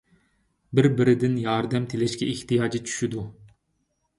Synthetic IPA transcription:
bɪɾbɪɾɪd̪ɪnjɑɾd̪ɛmt̪ʰilɛʃkʲɛiht̪ijɑːd͡ʒit͡ʃʰy̥ʃyd̪u

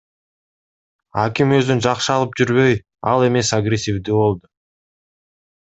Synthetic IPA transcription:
akimø̞zd̪ynd͡ʒɑqʃɯɑlˠɯp̚d͡ʒyɾβø̞j | ɑlˠe̞me̞saɡɾʲesʲivd̪yβo̞lˠd̪ʊ

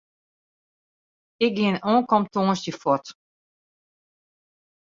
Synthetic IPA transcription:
ɪk̚ɡɪənɔːnkɔmtoːnsəfɔt

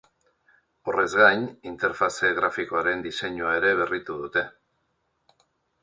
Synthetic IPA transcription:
o̞re̞zɣaɲint̪e̞ɾfase̞ɣɾafiko̞aɾe̞nd̪ise̞ɲuae̞ɾe̞β̞e̞rit̪uð̞ut̪e̞

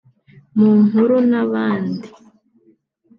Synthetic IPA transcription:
muːŋhuɾunaβaːndi

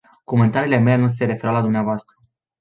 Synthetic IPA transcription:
ko̞me̞nt̪aɾiːle̞me̞lenus̬e̞ɾefe̞ɾawlad̪umneavoast̪ɾə

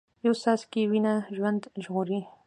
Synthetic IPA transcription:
jawsɑskiwinaʒwand̪ʒɣuɾi

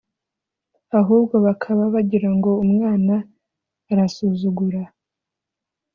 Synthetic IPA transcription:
aɦuːbɡo̞βakʰaβaβaɟiɾaŋɡo̞umŋaːnaː | ɾasuzuɡuɾa

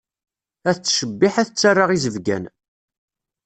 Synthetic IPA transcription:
æθət͡sːʃəbːɪħæθət͡sːarˤːəʁizəvɡæ̰n

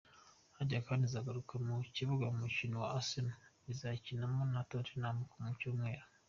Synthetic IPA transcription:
haɟakaːndizaɡaɾukʰamuciβuɡaumucinowa̰asinu | izacinamonatotinamukomucomweːɾa

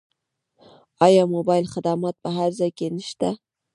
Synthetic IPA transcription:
ɑjɑmobɑjlχɪd̪amɑt̪̚pəɦaɾzɑjkʲenɪʃt̪a

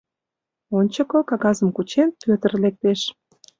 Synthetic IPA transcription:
onʲt͡ɕə̆kɤkɑɣɑzəmkut͡ɕenpøt̪ə̆rlek̚t̪eʃ

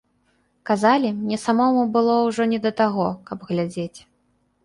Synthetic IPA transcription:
kazalʲimnʲɛsamɔmubɨlˠɔwʐɔnʲɛd̪ɐt̪aɣɔkɐbɣlʲad͡zʲet͡sʲ

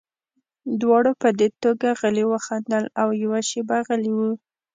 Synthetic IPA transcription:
d̪wɑɽopəd̪et̪oɡaɣəliwəxand̪əlawjawaʃebaɣəliwu

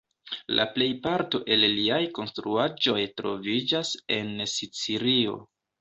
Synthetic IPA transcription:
lʔa̰ple̞jpaɾto̞ʔe̞lliajko̞nstɾuad͡ʒo̞jtɾo̞̰vid͡ʒase̞nsit͡siɾio̞̰

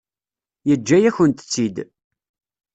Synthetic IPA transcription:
jəd͡ʒːæjæçənt̪ə̥t͡sːid̪

